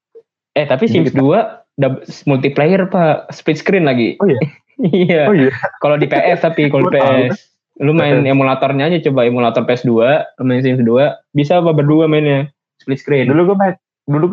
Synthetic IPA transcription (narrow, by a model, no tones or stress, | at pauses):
ɛt̪apisimsdua | dasmult̪iplejərpasplit̪skɾɪnlaɡḭj | iakalodipeʔɛst̪apikalodipeɛs | lumaɪnemulat̪ɔrɲaːd͡ʒat͡ʃobaemulat̪ɔrpeɛsduamaɪns̬imsduabisapabərduamaɪnɲa | split̪̚skɾɪnduluɡma | dulu